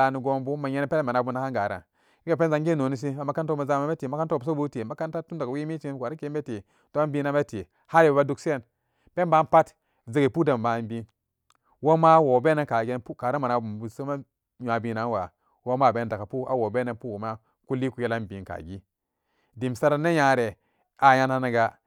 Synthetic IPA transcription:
a˨ni˨ɡo˦mbu˦ma˨je˦n˦pe˦le˦ma˨na˨bu˦na˦ka˦ŋɡa˨ɾa̰˨ | i˦ɡe˨p̬e˦nza˨˦ŋɡi˦no˨ni˦s̬i˦a˨ma˦ka˦nto˦ma˨za˦ma˦me˦ti˨ma˦ka˦nto˦˨bu˨s̬o˦bu˦te˨ma˦ka˦nta˦tu˦nda˨ka˨wi˦mi˦t͡ʃi˦n˨wa˨ɾi˦ke˦be˦ti˨ | d̥o˦a˦bi˦na˦me˦ti˨ | ha˦ljba˦du˦ksi˦e˦n | pe˦nba˦pa˦t | ze˦ɡe˨pu˦da˨m˨ma˨nbi˦ | wo˦ma˦wo˨be˦ne˦ka˨ɡe˦npu˦ka˨ɾa˦ma˨na˨bu˨u˨so˦ma˦ | ɲ˨a˨bi˦na˨˦nwa˨ | wo˦ma˦˨be˨˦n˨da˨ka˨pu˦a̰˨wo˨be˦ne˦npu˦o˨ma˦ | ku˦li˦ku˨je˦la˦nbi˨˦nka̰˨ɡi˦ | di˨m˨sa˦ɾa˦ne˦ja˨ɾe˨ | a˨ja˦nha˦na˨ɡa˨

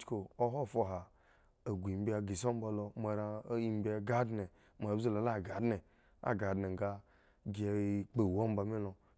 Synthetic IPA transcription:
t͡ʃko˨o˦ɦo˦˨fo˧˨ɦa˨ | a˨ɡʷu˨i˨m˦bi˦a˨ɡi˨so˦m̩˦ba˨˧lo˧ma˨ɾa˧˦i˦m˦bi˦a˨ɡa˦dne˨ | ma˨˦ze˦la˨˦la˦˨ɡa˨dne˨ | a̰˦ɡa˨dne˨ŋ˨ɡa˦ | ɡi˦˨k͡pe˨wo˦m̩˦ba˧mi˦lo˨

